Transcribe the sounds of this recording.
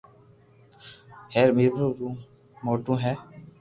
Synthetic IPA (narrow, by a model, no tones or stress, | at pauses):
hɛːɾmiɾbɾuɾũ | moːʈũːɦɛː